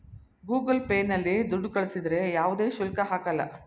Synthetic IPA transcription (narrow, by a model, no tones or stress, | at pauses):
ɡuːɡɐlpeːnːɐlːid̪uɖːukɐɭsid̪ɾe̞jaːʋud̪e̞ːʃulkɐɦaːkɐlːɐ̰